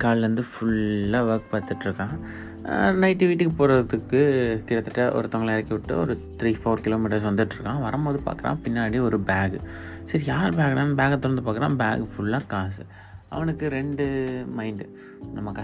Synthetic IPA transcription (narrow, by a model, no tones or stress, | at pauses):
kaːɭɾɐnd̪ɯfʊɭːaːʋɐɾk̚pɐːt̪ɯʈːɾɯkːãː | nɐɪʈːɪʋɪʈːikɯpoːɾɐðɯkːɯkɪɽɐt̪ːɯʈːɐʔɔ̰ɾɯt̪ɔŋɡɐlɛɾɐkːɪʋɪʈːɯ̰ɔ̰ɾɯt̪ɾiːfoːɾkɪloːmiːʈɐɾs̬ʋɐnd̪ɯʈːɾɯkːãːʋɐɾɐmpoːðɯpa̰ːkɐɾã̰ːpɪnːaːɽiɔɾɯbaːɡ | sɐɾijaːɾbaːɡɐɾaːnbaːɡɐt̪ːɔɾɐnd̪ɯpaːkːɪɾã̰ːba̰ːɡfʊɭːaːkaːsɯ | ɐ̰ʋɐnɯkːɯɾɛɳɖɯmɐɪɳɖ | nɐmːɐkɐ